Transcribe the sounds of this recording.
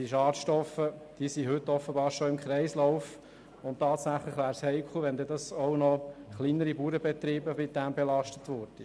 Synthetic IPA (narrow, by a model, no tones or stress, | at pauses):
d̥iʃɑːtʃtɔfəd̥iːsiɦʏtːɔfːəbɑːɾʃɔɪmkχɾɛɪslɔʊf | ʊntːɑːt̪sæχləχʋæːɾshɛɪkʰl̩ʋɛnd̪ɛdɑsoʊnɔχliːnəɾibuːɾəbɛt̪ɾiːbəmɪt̚dæmbelɑʃtə̥tʋʊɾd̥ə